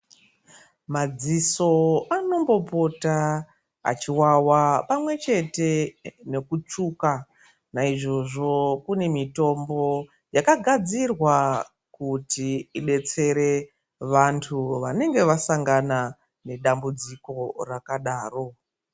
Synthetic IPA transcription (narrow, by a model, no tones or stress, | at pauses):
mad͡ziso̞ano̞mbo̞po̞ta | a̰t͡ʃiwawapamwe̞t͡ʃe̞te̞ne̞kut͡ʂuːka | naiʐo̞ʐo̞kune̞mito̞mbo̞ | jakaɡʱad͡zirwa | kutiiɓe̞t͡se̞ɾe̞ | ʋantʰuʋane̞ŋɡe̞ʋasaŋɡana | ne̞ɗambud͡ziko̞rakaɗaːro̞